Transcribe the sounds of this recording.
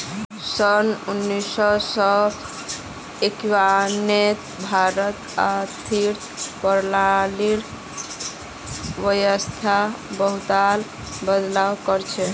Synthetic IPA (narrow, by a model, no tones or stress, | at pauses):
sənunːisɔsɔ | ekwanet̪bʱaɾət̪at̪ʰiɾ | pəɾlaliɾ | ʋəjəst̪ʰabəɦut̪al | bəd̪lawkəɾt͡ʃʰɛ